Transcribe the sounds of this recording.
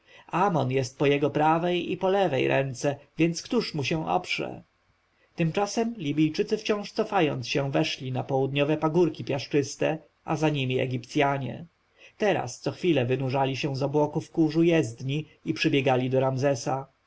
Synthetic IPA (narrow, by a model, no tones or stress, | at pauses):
amɔnjɛst̪̚pɔjɛɡɔpɾavɛjḭpɔlɛvɛ̰jɾʔɛ̰nt̪sɛvʲjɛnt̪skt̪uʂmuɕɛ̃w̃ʔɔ̰pʂɛ̰ | t̪ɘmt͡ʂasɛmlʲibʲijt͡ʂɘt̪sɘft͡ɕɔ̃w̃ʂt̪sɔfajɔ̰nt̪sɕɛ̃vɛʂlʲinapɔwud̪ɲɔvɛpaɡuɾkʲipʲjaʂt͡ʂɘst̪ɛ | ʔazaɲimʲiɛ̰ɡʲipt̪sʲjaɲɛ̰ | t̪ɛɾa̰st̪sɔxfʲilɛvɘnuʐalʲiɕɛ̃zɔbwɔkufkuʐujɛzd̪ɲi | ipʂɘbʲjɛɡalʲid̪ɔɾamzɛsa